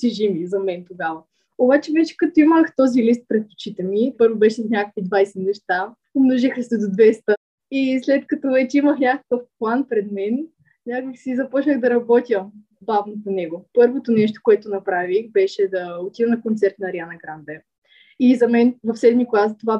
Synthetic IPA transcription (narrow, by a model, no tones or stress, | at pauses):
t̪iʒimizɐmɛnt̪oɡavə | obat͡ʃɛvɛt͡ʃɛ̥kɐt̪oiməxt̪ɔzilist̪̚pɾɛt̪̚po̥t͡ʃit̪ɛmipɤɾvobɛʃɛsnʲakəkvid̪vajsɛnɛʃt̪a | mnoʒixəsɛd̪od̪vɛst̪ə | islɛt̪kɐt̪ɔvɛt͡ʃɛiməxnʲakə̥kəfplˠanpɾɛd̪mɛn | nʲakəksizɐpɔt͡ʃnəɣd̪ɐɾɐbɔt̪ʲjə | bavnoponɛɡopɤɾvot̪onɛʃt̪o̥koɛt̪onɐpɾavixbɛʃɛd̪ɐot̪id̪ɐnɐkont̪sɛɾt̪nɐɾianɐɡɾanb̪ɛ | izɐmɛnvɐfsɛd̪miklˠast̪ova